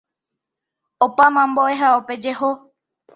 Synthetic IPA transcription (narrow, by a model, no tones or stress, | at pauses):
opamãmboʔeɦaope̞d͡ʒeɦo